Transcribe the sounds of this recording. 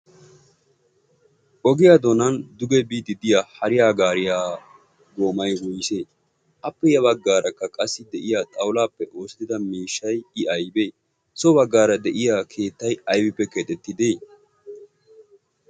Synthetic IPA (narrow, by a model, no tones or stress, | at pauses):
ʔɔɡɪjaːd̪ɔnɐnd̪ʊɡɛbiːt̪ɪd̪ɪjahɐɾɪjaːɡaːɾɪjaː | ɡo̞ːmɐjwʊjse̞ː | ʔɐpːɛjɐβɐɡːaːɾɐkːɐkʼɐsːɪd̪ɛʔɪjaːt̪ʼɐwʊlaːpːɛʔo̞ːsɪt̪ɪd̪ɐmiːʃːɐjɪʔɐjbeː | sɔbɐɡːaːɾɐd̪ɛʔɪjaːkʰe̞ːt̪ːɐjɐjbɪpːɛkɛt̪ʼɛt̪ːɪd̪eː